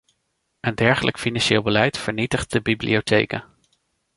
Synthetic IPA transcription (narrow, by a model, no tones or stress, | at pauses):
əndɛɹχəlʔəkfinɑnʃeːlˠbəlɛjtfəɹnitəχt̚dəbiblḭowtʰḛjkə̰